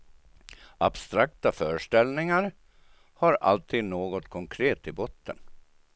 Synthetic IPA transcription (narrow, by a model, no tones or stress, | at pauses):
ʔa̰b̥st̪ɾak̚t̪afœːɾəʂʈɛlnɪŋaɾ | haɾa̰lt̪ʰiːd̪noːɡɔt̪kʰɔŋkʰɾeːt̪ɪbɔt̪ʰːə̰n